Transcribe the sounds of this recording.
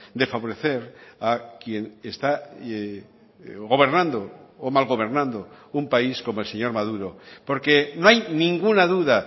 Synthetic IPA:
d̪e̞faβo̞ɾe̞θe̞ɾakje̞nest̪a | ɣo̞β̞e̞ɾnãnd̪oːmalɣo̞βe̞ɾnãnd̪oumpaisko̞moelse̞ɲo̞ɾmaðuɾopo̞ɾke̞noajnĩŋɡunaðuða

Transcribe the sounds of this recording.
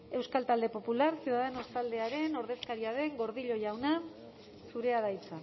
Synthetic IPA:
e̞wskalt̪ald̪e̞po̞pulaɾsjuðaðeno̞st̪ald̪e̞aɾe̞no̞ɾðe̞skaɾiaðe̞ŋɡo̞ɾðiʎo̞ʝawna | suɾe̞aðajt͡sa

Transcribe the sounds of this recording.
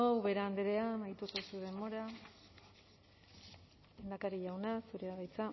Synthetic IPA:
owβe̞ɾeand̪eɾeamajt̪usesuðe̞mo̞ɾa | end̪akaɾiʝawnasuɾeaðajt͡sa

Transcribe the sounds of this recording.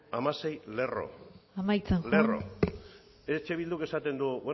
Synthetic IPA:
amase̞jle̞ro̞̰amajt͡salero̞̰ | et͡ʃe̞β̞ild̪uke̞sat̪e̞nd̪uwe

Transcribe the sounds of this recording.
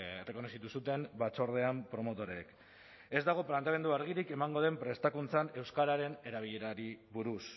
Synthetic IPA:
ereko̞no̞sit̪usut̪e̞mbat͡so̞ɾðe̞ampɾo̞mo̞t̪o̞ɾeːk | e̞zd̪aɣ̞o̞plant̪ame̞nd̪uaɾɣ̞iɾike̞maŋɡo̞ð̞e̞mpɾe̞st̪akunt͡sane̞wskaɾaɾe̞ne̞ɾaβ̞iʎe̞ɾaɾiβuɾus

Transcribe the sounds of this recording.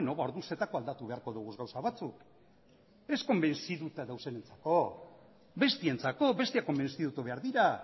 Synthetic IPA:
noβao̞ɾðunse̞t̪ako̞ald̪at̪uβe̞aɾko̞ðuɣ̞uzɣawsaβat͡suk | e̞sko̞mbe̞nsiðut̪aðawse̞ne̞nt͡sḁko̞ | be̞st̪ie̞nt͡sako̞be̞st̪iako̞mbe̞nsiðut̪uβe̞aɾðiɾa

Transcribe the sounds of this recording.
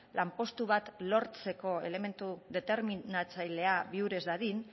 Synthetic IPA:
lʔampo̞st̪uβ̞at̪lo̞ɾt͡se̞ko̞e̞̰le̞me̞nt̪uðe̞t̪e̞ɾminat͡sajle̞aβiuɾe̞zðaðin

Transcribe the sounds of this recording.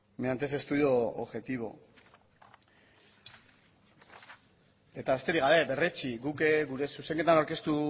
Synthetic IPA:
meant̪e̞s̬e̞st̪uðio̞o̰βʝe̞t̪iβo̞̰ | e̞t̪aβe̞st̪e̞ɾiɣɡaβe̞be̞re̞t͡ʃiɡukeɡuɾe̞suse̞ŋɡe̞t̪anawɾke̞st̪u

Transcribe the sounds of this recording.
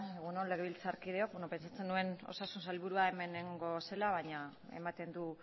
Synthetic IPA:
eɣunonle̞ɣeβilt͡saɾkið̞e̞o̞k̚beno̞pe̞nsat͡se̞ndue̞no̞̰sasunsalβuɾuae̞me̞neŋɡo̞se̞laβaɲae̞̰mat̪e̞nd̪u

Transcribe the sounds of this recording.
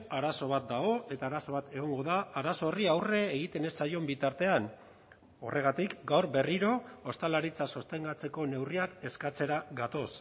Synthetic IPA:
aɾaso̞β̞at̪̚d̪aɣo̞e̞t̪aːɾaso̞βat̪e̞ɣ̞o̞ŋɡo̞ðaːɾaso̞riawre̞ːɣ̞it̪e̞ne̞sajo̞mbit̪aɾt̪e̞an | o̞̰rʔe̞ɣ̞at̪ikɡawɾbe̞riɾo̞ːst̪alaɾit͡saso̞st̪e̞ŋɡat͡se̞ko̞ne̞wriake̞skat͡se̞ɾaɡat̪o̞s

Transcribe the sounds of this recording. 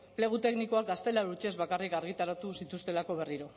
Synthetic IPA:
ple̞ɣ̞ut̪e̞kniko̞akɡast̪e̞lauɾt͡ʃezβakarikaɾɣ̞it̪aɾat̪usit̪ust̪e̞lako̞β̞e̞riɾo̞

